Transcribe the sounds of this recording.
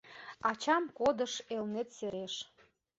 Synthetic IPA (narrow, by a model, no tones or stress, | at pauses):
ɑt͡ɕɑmkod̪əʃelnet̪seɾeʃ